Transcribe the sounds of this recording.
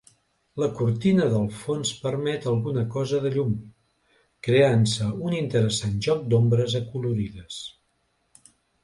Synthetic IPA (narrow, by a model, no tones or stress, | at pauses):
ləkuɾt̪inəðəlˠfonspəɾmɛt̪əlˠɣunəkɔzəðəʎum | kɾeansəunint̪əɾəsanʒɔk̚d̪ombɾəzəkuluɾiðəs